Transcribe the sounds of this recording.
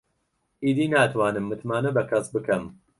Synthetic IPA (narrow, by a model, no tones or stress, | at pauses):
ʔiːd̪iːnaːt̪ʰwaːnɨmːɨt̪maːnɐbɐkʰɐsbɨkʰɐm